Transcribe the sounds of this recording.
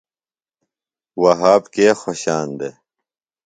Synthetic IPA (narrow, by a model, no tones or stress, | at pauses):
wɐɦaːbkeːxoɕaːnd̪e